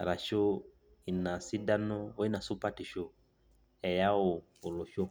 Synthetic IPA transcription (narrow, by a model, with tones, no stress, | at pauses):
ɾa˨ʃo˦ | i˨na˨si˦da˦nɔː˦i˦na˨su˦pa˦ti˨ʃo˦ | ɛ˨ja˦oː˨ | lɔ˨ʃɔ˦